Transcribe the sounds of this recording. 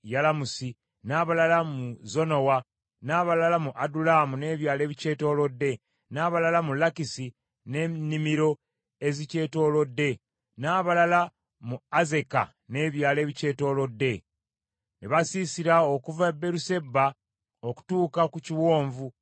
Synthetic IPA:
jalamusi | naːβalalamuzo̞no̞wa | naːβalalamuʔadulaːmune̞ːβjaːle̞ːβice̞ːto̞ːlo̞dːe̞ | naːβalalamulakisi | ne̞nːimiɾo̞ | ezice̞ːto̞ːlo̞dːe̞ | naːβalala | muaze̞ka̰ | ne̞ːβjaːleːβice̞ːto̞ːlo̞dːe̞ | neβasisiɾaokuvabe̞ɾuse̞bːa | oku̥tuːkakuciwo̞ːɱvu

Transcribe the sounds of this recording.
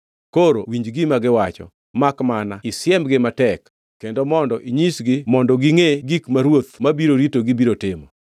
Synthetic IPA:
koɾowiɲd͡ʒɡimaɡɪwat͡ʃɔ̰ | makmanaɪsjɛmɡɪmatɛkː | endomɔndɔʔiɲisɡɪmɔndɔɡiŋeɡikmaɾwot̪mabiɾoɾitoɡibiɾotɪmɔ

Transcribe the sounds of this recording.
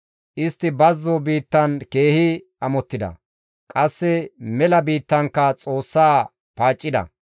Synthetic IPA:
ʔɪst̪ːɪbɐzːɔbiːt̪ːɐnke̞ːhɪ | ɐmɔt̪ːɪd̪ɐ̰ | kʼɐsːɛmɛlɐbiːt̪ːɐŋkːɐt͡sʼo̞ːsːaː | paːt͡ʃʼːɪd̪ɐ̰

